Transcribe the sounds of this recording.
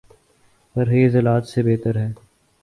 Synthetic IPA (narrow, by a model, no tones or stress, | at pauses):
t̪əɾɦeːzɪlaːt̪sebeːt̪əɾɦɛː